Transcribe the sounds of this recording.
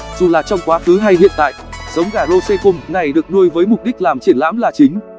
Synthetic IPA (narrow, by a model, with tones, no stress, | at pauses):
z̥u˨˩laː˨˩t͡ɕɔ˧wŋ͡mkwaː˨˦xɨ˨˦ɦa˧jhḭ˧˨ənt̪a̰ː˧˨jʔz̥ə˨˦wŋ͡mɣaː˧˩lo˧se˧kʊ˧mna˨˩jɗɨ˨˩ək̚ɗu˧əjvəː˨˦jmʊ˨˩k͡p̚ɗi˦˥k̚laː˨˩mt͡ɕi˧˩ənla̰˧˥mlaː˨˩t͡ɕï˨˦ŋ̟